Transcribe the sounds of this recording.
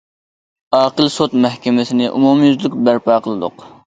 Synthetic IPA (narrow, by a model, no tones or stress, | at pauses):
ɑːqəlˠsot̪̚mɛhkʲemɛsɪnɪʔumumjyzlɪk̚ʲbæɾpɑːqʰəlˠɨd̪ʊ̰q